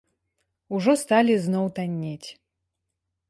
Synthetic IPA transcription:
uʐɔst̪alʲiznɔwt̪anʲːet͡sʲ

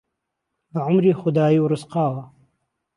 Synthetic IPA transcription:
baʕʊmɾiːxʊd̪ɑːjiwɾʊsqɑːwa

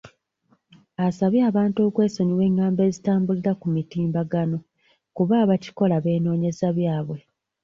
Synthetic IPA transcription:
asaβjaːβaːnto̞ːkwe̞ːsoɲiwe̞ːŋɡaːmbe̞ːzitaːmbuliɾakumitiːmbaɡano̞ | kuβaːβaci̥ko̞laβe̞ːno̞ːɲe̞zaβjaːβwe̞

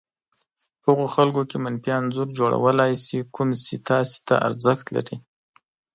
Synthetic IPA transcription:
pəhəɣoxalɡokemanfjɑnzuɾd͡ʒoɽa̰wəlɑjsikumsit̪ɑse̥t̪a̰ʔa̰ɾzəxt̪la̰ɾi

